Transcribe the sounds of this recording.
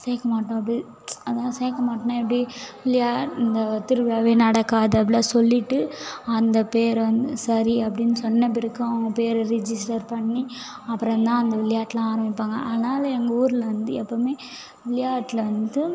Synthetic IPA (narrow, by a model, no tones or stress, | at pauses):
seːkːɐmaːʈːõːɐp̬ːɐɽi | ɐðãːseːɐkːɐmaːʈːnãɛpːɐɽiʋɪlɪjaːɐnd̪ɐt̪ɪɾɯʋɪjaːʋeːnɐɽɐkːaːðɯɐp̬ːɐɽaːsɔlːɪʈːɯɐnd̪ɐpeːɾʋɐnd̪ɯsɐɾiɐpːɐɽɪnːɯsɔnːɐp̬ɪɾɯkːãɡɐpeːɾɾɛd͡ʒɪsʈɐɾpɐɳːi | ɐpːɯɾɐ̃nt̪ãːɐnd̪ɐʋɪlɪjaːʈːɪlãaːɾɐmbɪpːaːŋɡɐ̰ʔɐðɐnaːlɐɛŋɡɐuːɾɪlɐʋɐnd̪ɯɛpːoːmeː | ʋɪlɪjaːʈːɪlɐʋɐnd̪ɯ